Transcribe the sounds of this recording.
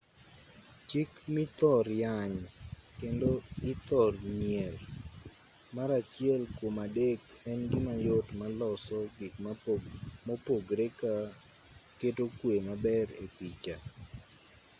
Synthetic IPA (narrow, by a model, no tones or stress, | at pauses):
t͡ʃikmit̪ɔɾjaɲkendoɡɪt̪ɔrɲjɛl | maɾat͡ʃɪɛlkwomadek | ɛnɡɪmajʊtmalɔsɔɡɪkm | mopoɡɾeka | ketokwemabɛɾekit͡ʃa